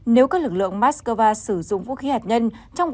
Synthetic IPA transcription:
ne˨˦wkaː˦˥k̚lɨ˨˩k̚lɨ̰˧˨əŋmaː˦˥t̚skəː˧vaː˧sɨ˧˩zʊ̰˧˨ŋ͡mvṵ˧˥xi˨˦haː˨˩t̚ɲə˧nt͡ɕɔ˧wŋ͡m

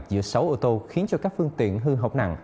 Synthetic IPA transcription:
k̚zɨ̰˧˥əsa˨˦wʔoː˧t̪o˧xi˨˦nt͡ɕɔ˧kaː˦˥k̚fɨ˧əŋt̪ḭ˧˨ənɦɨ˧ɦə˨˧˩wk͡p̚na̰˧˨ŋ

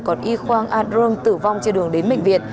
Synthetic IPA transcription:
kɔ˨˦nʔi˧xwaː˧ŋʔaː˧t̚zɨ˧ŋt̪ɨ˧˩va˧wŋ͡mt͡ɕe˧nɗɨ˨˩əŋɗe˨˦nɓḛ˧˨ŋ̟vḭ˨˩ət̚

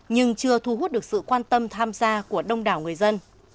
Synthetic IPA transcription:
ɲɨ˧ŋt͡ɕɨ˧ət̪ʰu˧˩ɦu˦˥t̚ɗɨ˨˩ək̚sɨ̰˧˨kwaː˧nt̪ə˧mt̪ʰaː˧mzaː˧ku˧˩əɗə˧wŋ͡mɗaː˧˩wŋɨ˨˩əjzə˧n

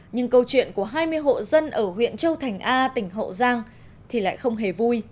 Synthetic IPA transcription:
ɲɨ˧ŋkə˧wt͡ɕwḭ˧˨ənku˧˩əɦaː˧jmɨ˧əjɦo̰˧˨zə˧nʔəː˧˩ɦwḭ˧˨ənt͡ɕə˧wt̪ʰa˨˩jŋ̟ʔaː˧t̪ï˧˩ŋ̟ɦə̰˧˨zaː˧ŋ | t̪ʰi˨˩la̰ː˧˨jxə˧wŋ͡mɦe˨˩vu˧j

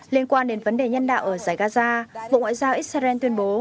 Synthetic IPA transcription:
li˧ənkwaː˧nɗe˨˦nvə˨˦nɗe˨˩ɲə˧nɗa̰ː˧˨wʔəː˧˩zaː˧˩jɣaː˧zaː˧vo̰˧˨ʔŋwa̰ː˧˨zaː˧wʔi˦˥t̚sa˧ɛ˧nt̪wi˧ənɓo˨˦

